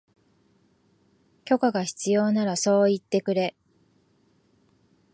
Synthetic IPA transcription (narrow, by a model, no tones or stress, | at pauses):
kʲo̞kaɡaçi̥t͡sɨjo̞ːnaɾaso̞ːit̪ːe̞kɯ̟ɾe̞